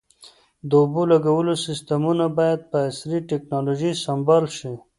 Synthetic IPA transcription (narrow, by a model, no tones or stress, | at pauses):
d̪əubolaɡawəlosɪst̪amunabɑjad̪̚pəasɾiʈeknɑloʒisambalʃi